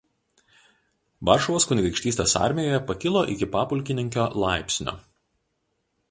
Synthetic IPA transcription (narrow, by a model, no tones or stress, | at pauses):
ʋɑːˑɾʃɔʋoːskʊnʲɡʲɾʲɪkʃʲt̪ʲiːst̪ʲeːsɑ̰ˑɾʲmʲɪjoːjɛpɐkʲɪlˠoːʔɪkʲɪpɑːpʊlʲˑkʲɪnʲɪŋʲkʲoːlˠɑˑɪpʲsʲnʲo̰ː